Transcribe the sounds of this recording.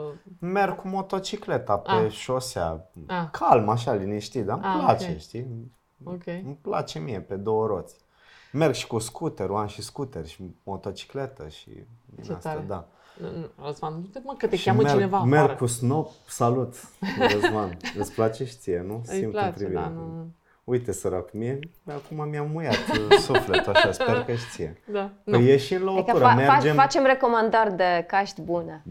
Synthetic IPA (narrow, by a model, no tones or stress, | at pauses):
merɡkumo̞t̪o̞t͡ʃikle̞t̪apeʃosea̰kʰalmaʃ̬aliniʃt̪id̪amplat͡ʃeʃt̪i | okʲempla̰t͡ʃemiepe̞d̪owəɾot̪sʲ | merɡʃi̥kuskʰut̪eɾoanʃiskut̪erʲʃi̥mot̪o̞t͡ʃi̥klet̪əʃḭmḭasad̪a | əzmannukət̪eʃʲamet͡ʃrineamerɡkusnopsalut̪əzmanɨsplat͡ʃeʃt̪sijenusimtt̪ɾiviɾḛ | ujt̪esəɾakumie | akumamiamːujat̪suflet̪aʃasperkəʃt̪siḛd̪aejeʃinlokuɾameɾd͡ʒefat͡ʃemrekomand̪ərʲd̪ekaʃt̪ʲbune